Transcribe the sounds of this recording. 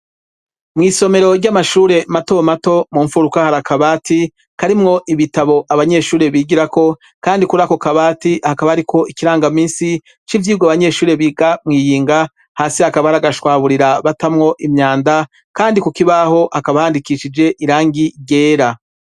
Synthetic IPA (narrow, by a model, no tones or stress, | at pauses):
mŋiːso̞me̞ɾo̞ɾɟamaʃuːɾe̞mato̞mato̞muːɱfuɾukahaɾakaβaːti | kaɾimŋo̞ʔiβitaβo̞ʔaβaɲe̞ːʃuːɾe̞βiːɡiɾako̞ | kaːndikuɾako̞kaβaːtihakaβaɾikʰo̞ikiɾaːŋɡamiːnsi | t͡ʃivjiːuɡoaβaɲe̞ːʃuːɾe̞βiːɡamŋiːjiːŋɡa | haːsiakaβaaɾaɡaʃwaːβuɾiɾaβatamŋo̞ʔimɲaːnda | kaːndikukiβaɦo̞ʔhakaβahaːndikiʃid͡ʒe̞ʔiɾaːŋɡiɟe̞ːɾa